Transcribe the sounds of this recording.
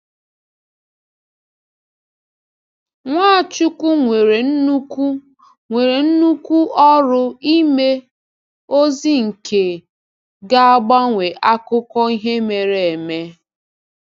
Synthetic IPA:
ŋʷaː˦˨t͡ʃu˦ku˦ŋʷe˨ɾe˨n̩˦nu˦ku˦ | ŋʷe˨ɾe˨n̩˦nu˦ku˦ʔɔ˦ɾʊ˦i˦me˦ | o˦zi˦ŋ̩˨kʰe˨ | ɡa˦a˦ɡ͡ba˦ŋʷe˨ʔa˦kʊ˦kɔ˦i˦ɦe˦me˨ɾe˨e˨me˦

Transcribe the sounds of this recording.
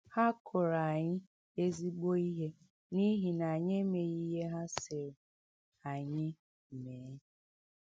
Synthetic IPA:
ha˦kʰʊ˨ɾa˨ɲɪ˦ | e˦zi˦ɡ͡bo˦i˦ɦe˦ | ni˦ɦi˨na˨ɲe˦me˨ɣi˦ɦe˦ɦa˦sɪ˨ɾ | a˨ɲɪ˦˨ | me˨˦

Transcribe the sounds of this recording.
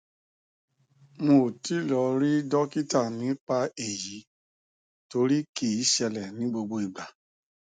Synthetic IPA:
m̃o˧˨ti˨˦lɔ˧˦ɾi˦dɔ˦ki˦ta˦˨nĩ˨˦k͡pa˧e˨ji˨˦ | to˧ɾi˦ki˦˨i˨˦ʃɛ˧lɛ˨nĩ˨˦ɡ͡bo˧ɡ͡bo˧i˨ɡ͡ba˨

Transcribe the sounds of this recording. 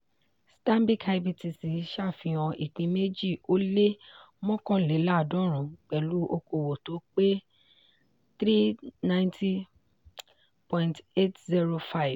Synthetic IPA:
stã˦mbi˦kʰa˧bi˧ti˨˧si˨˦ʃa˦˨fĩ˧ɔ̃˧ʔi˨k͡pĩ˨˧me˦d͡ʒi˦˨o˦le˦ | mɔ̃˦kɔ̃˦˨le˨˦la˦˨dɔ̃˦ɾ̃ũ˨k͡pɛ˨lu˨˦ʔo˧ko˨wo˨to˨˦k͡pe˦ | t̪ɾi˦nã˦j̃nti˦ | pɔ̃˧ĩnte˦tzi˧ɾo˧fa˦˨v

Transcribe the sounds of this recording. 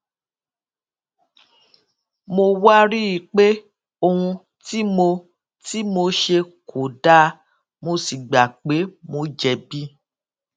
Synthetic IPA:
mo˧wa˦ɾi˦i˧k͡pe˦ | o˧hũ˧ | ti˦mo˧ | ti˦mo˧ʃe˧kʰo˨da˦ | mo˧si˨ɡ͡ba˨k͡pe˨˦mo˧d͡ʒɛ˨bi˦

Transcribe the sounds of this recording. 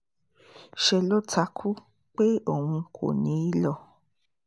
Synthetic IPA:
ʃɛ˧lo˦tʰa˧˦kʰu˦ | k͡pe˦o˦˨hũ˧kʰo̰˨nĩ˨˦i˦lɔ˦˧˨

